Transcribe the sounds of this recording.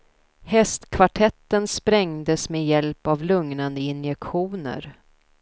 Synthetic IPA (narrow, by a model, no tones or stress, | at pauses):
hɛst̪kʰvaʈʰɛt̪ːənspɾɛŋd̪əsmeːjɛlpavlɵŋnand̪əɪnjɛkɧuːnə̰ɾ